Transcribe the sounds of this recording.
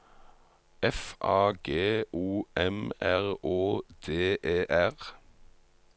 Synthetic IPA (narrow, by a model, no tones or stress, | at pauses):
ɛfʔɑːɡeːʔuːɛmæʁoːd̪̥eːʔeːʔæʁ